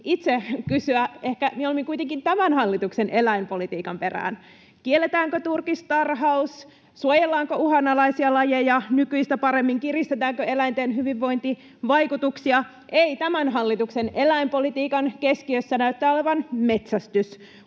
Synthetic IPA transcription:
it̪sekysyæehkæmieolemiŋkuijt̪eŋkint̪æmænhɑlːit̪uksenʔe̞læimpo̞lit̪iːkɑmpe̞ræ̰ːn | kielːet̪æːŋkøt̪urkist̪ɑrɦɑus | suojelːɑːŋkøuhɑnːɑlɑisiɑlɑjejɑnykyist̪æpɑɾemːiŋkirist̪et̪æːŋkøe̞læint̪eːnɦyʋiʋːo̞jnt̪i | ʋɑjkut̪uksiɑ | ʔeit̪æmænɦɑlːit̪uksenelæimpo̞lit̪iːkɑnkeskiøsːænæyt̪ːæːoleʋɑnme̞t̪sæst̪ys

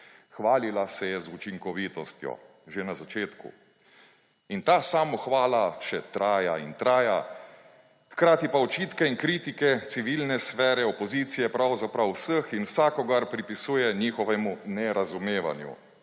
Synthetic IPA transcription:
xʋaːlilasɛjɛzut͡ʃiŋkɔʋiːt̪ɔst̪jɔ̰ | ʒenazat͡ʃeːt̪kṵ | int̪aːsaːmɔxʋaːlaʃɛt̪ɾaːja̰int̪ɾaːja | xkɾaːt̪ipaɔt͡ʃiːt̪kɛinkɾiːt̪ikɛt̪siʋilnɛsfɛːɾɛɔpɔziːt̪sijɛpɾawzapɾawwsəxinwsaːkɔɡaɾpɾipisuːjɛniːxɔʋɛmunɛɾazumeːʋa̰njṵ

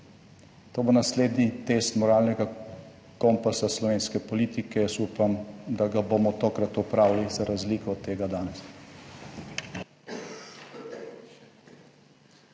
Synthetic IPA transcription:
t̪oːbonasleːd̪nit̪eːst̪mɔɾaːlnɛɡa | kɔmpasaslɔʋeːnskɛpɔliːt̪ikɛjɛsuːpamd̪aɡabomɔt̪oːkɾat̪ɔpɾaːwllizaɾazliːkɔt̪ːeːɡad̪anɛs

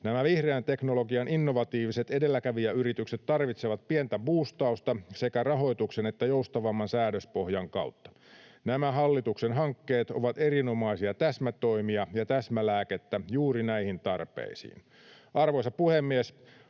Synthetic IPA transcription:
næmæʋihreænt̪e̞knolo̞ɡiɑninːo̞ʋɑt̪iːʋise̞t̪e̞de̞lːækæʋijæyɾit̪ykset̪tɑrʋit̪seʋɑt̪̚pient̪æbuːst̪ɑust̪ɑse̞kærɑɦo̞jt̪uksene̞t̪ːæjo̞ust̪ɑʋɑmːɑnsæːɾøspo̞hjɑŋkɑ̰ut̪ːɑ̥ | næmæɦɑlːit̪uksenɦɑŋkːe̞ːt̪o̞̰ʋɑt̪e̞rino̞mɑisiɑt̪æsmæt̪o̞imiɑjɑt̪æsmælæːket̪ːæjuːɾinæihint̪ɑrpḛisḭːn | ʔɑrʋo̞jsɑpuhemːies

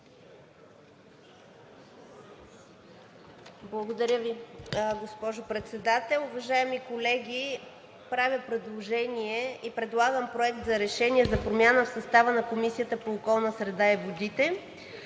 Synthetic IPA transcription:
blˠɐɡod̪ɐɾʲjəviɡospɔʒopɾɛt̪sɛd̪at̪ɛlˠʊvɐʒaɛmikolɛɡʲi | pɾavʲjəpɾɛd̪lˠoʒɛniɛipɾɛd̪lˠaɡəmpɾoɛkt̪zɐɾɛʃɛniɛzɐpɾomʲjanəfsɐst̪avənɐkomisijət̪əpoːkɔlˠnəsɾɛd̪aivod̪it̪ɛ

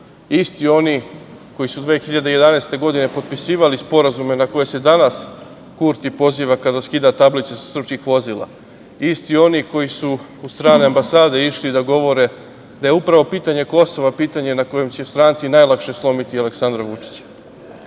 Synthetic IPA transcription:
ist̪io̞niko̞jisud̪ʋe̞ːxiʎad̪eje̞d̪anest̪e̞ɡo̞d̪ine̞pot̪̚pisiːʋalispo̞ɾazume̞nako̞je̞se̞d̪anas | kuːɾt̪ipo̞ziːʋakad̪askid̪at̪ablit̪sesr̩pskixʋo̞ziːlˠa̰ | ist̪io̞niko̞jisu | ust̪ɾaːne̞ambasaːd̪e̞iʃlid̪aɡo̞ʋo̞ɾe̞ | d̪aje̞upɾaʋo̞piːt̪aɲe̞ko̞so̞ʋapiːt̪aɲenako̞je̞mt͡ɕest̪ɾaːnt̪sinajlˠakʃe̞slˠo̞mit̪iale̞ksand̪ɾaʋut͡ʂi̥t͡ɕ

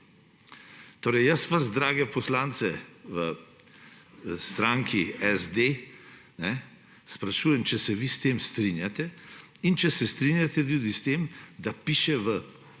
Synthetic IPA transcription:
t̪oːɾɛjjəsʋazd̪ɾaːɡɛpɔslaːnt̪sɛʋə | st̪ɾaŋkʰiɛzd̪e | nɛ | spɾaʃuːjɛmt͡ʃɛsɛʋist̪eːmst̪ɾinjat̪ɛ | int͡ʃɛsɛst̪ɾinjat̪ɛt̪juːd̪ist̪eːmd̪apiʃɛʋə

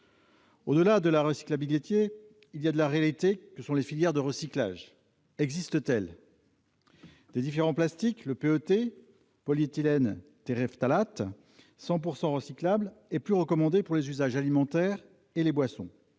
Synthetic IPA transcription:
o̰d̪əlad̪əlaʁəsi̥klabilet̪je | ilijad̪əlaʁealit̪ekəsɔ̃lefiljɛʁd̪əʁəsikla̰ʒ | ɛɡzist̪ət̪ɛl | d̪̥ed̪ifeʁɑ̃plast̪ikləpeøt̪e | pɔlit̪ilɛnt̪eʁɛft̪alat̪ | sɑ̃p̬uʁsɑ̃ʁəsiklablɛplyʁəkɔmɑ̃d̪epuʁlezyzaʒalimɑ̃t̪ɛʁ | elebwasɔ̰̃

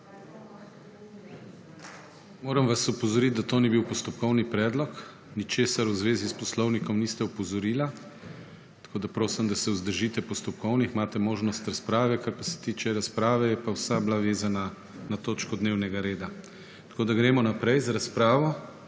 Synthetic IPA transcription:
moːɾɐmʋasɔpɔzɔɾit̪̚d̪at̪oːnibiwpɔst̪ɔpkɔwnipɾɛːd̪lɔk | nit͡ʃeːsaɾwzʋeːzispɔslɔwnikɔmnist̪ɛɔpɔzɔɾiːla | t̪ḁkʰoːd̪apɾoːsɛmd̪asɛuzd̪əɾʒit̪ɛpɔst̪ɔp̚kɔwnixmaːt̪ɛmoːʒnɔst̪ɾaspɾaːʋɛkaɾpasɛ̥t̪iːt͡ʃɛɾaspɾaːʋɛjɛpawsablaʋeːzana | nat̪oːt͡ʃkɔd̪neːwnɛɡaɾeːd̪a | t̪ḁkoːd̪aɡɾeːmɔnapɾɛjzaɾaspɾaːʋɔ

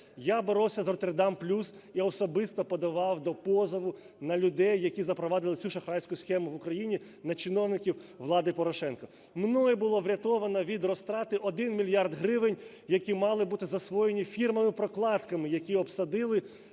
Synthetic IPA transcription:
jabeɾɔwsʲɐzɔt̪erd̪ɑmplʲus | iɔsɔbɪst̪ɔpɔd̪ɐʋɑwd̪ɔpɔzɐʋʊ | nɐlʲʊd̪ɛjːɐkʲizɐpɾɔʋɑd̪ɪlˠɪsʲuʃɐxɾɑjsʲkʊsxɛmʊʋʊkɾɐjinʲi | nɐt͡ʃɪnɔwnɪkʲiwʋlˠɑd̪ɪpɔɾɔʃɛnkɔ | mnɔjɛbʊlˠɔʋɾʲɐt̪ɔʋɐnɐʋʲid̪rɔst̪ɾɑt̪ɪʔɔd̪ɪnmʲilʲjɑrd̪ɦɾɪʋɪnʲ | jɐkʲimɑlˠɪbut̪ɪzɐsʋɔjenʲifʲirmɐmɪpɾɔklˠɑt̪kɐmɪjɐkʲiɔpsɐd̪ɪlˠɪ

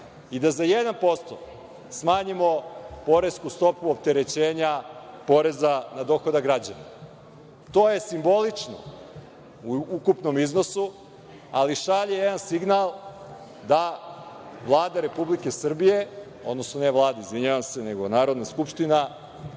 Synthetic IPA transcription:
id̪azajed̪anpo̞st̪o̰ | smaːɲimo̞po̞ɾe̞skust̪o̞puop̚t̪e̞ɾe̞t͡ɕe̞ːɲapo̞ɾe̞zanad̪o̞xo̞d̪aɡɾad͡ʑana̰ | t̪o̞ːje̞simbo̞lit͡ʂno̰ | uukupno̞mizno̞su | aliʃaʎijed̪ansiɡnalˠ | d̪a | ʋlˠaːd̪aɾe̞publike̞sr̩bije̞ | o̞d̪no̞snoneʋlˠaːd̪aizʋiɲaʋamse̞neɡo̞naːɾod̪naskupʃt̪ina

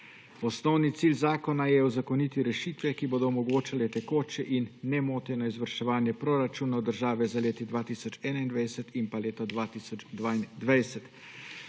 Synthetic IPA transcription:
ɔsnɔwnit̪siːlzaːkɔnajɛuzakɔnit̪iɾɛʃiːt̪ʋɛkiboːd̪ɔːmɔɡoːt͡ʃalɛt̪ɛkoːt͡ʃɛʔinːɛmoːt̪ɛnɔizʋəɾʃɛʋaːnjɛpɾoɾat͡ʃuːnawd̪əɾʒaːʋɛzaleːt̪id̪ʋaːt̪isɔt͡ʃɛːnaind̪ʋajsɛt̪impaleːt̪ɔd̪ʋaːt̪iːsɔd͡ʒd̪ʋaːind̪ʋajsɛt̪

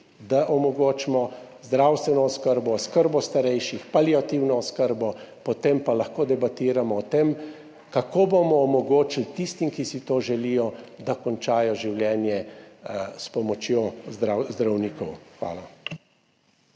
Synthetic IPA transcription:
d̪aʔɔmɔɡoːt͡ʃmɔ | zd̪ɾawst̪ʋɛnɔɔskəɾbɔskəɾbɔst̪aɾɛjʃixpaliat̪iwnɔɔskəɾbɔpɔt̪empalaxkoːd̪ɛbat̪iːɾamɔːt̪em | kakoːbomɔːmɔɡoːt͡ʃilt̪ist̪imkisit̪oːʒɛlijɔd̪akɔnt͡ʃaːjɔʒiwljɛːnjɛ | spɔmɔt͡ʃjoːzɾazd̪ɾawniːkɔwxʋa̰ːla

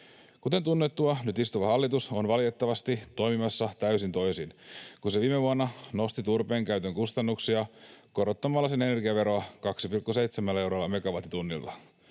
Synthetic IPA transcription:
kut̪e̞nt̪unːet̪ːuɑnyt̪ist̪uʋɑhɑlːit̪uso̞nʋɑlit̪e̞t̪ːɑʋɑst̪it̪o̞jmimɑsːɑt̪æysint̪o̞jsinkunseʋiːmeʋuɑnːɑno̞st̪it̪urpe̞ːŋkæyt̪ø̞ŋkust̪ɑnːuksiɑko̞ɾot̪ːɑmɑlːɑsene̞ne̞rɡiɑʋe̞ɾoɑkɑksipilkːuse̞jt̪semælːæe̞wɾɑlːɑme̞ɡɑʋɑt̪ːit̪unːilt̪ɑ

